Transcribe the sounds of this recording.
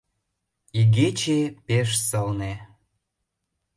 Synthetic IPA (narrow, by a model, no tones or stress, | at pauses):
iɣet͡ɕepeʃsəlne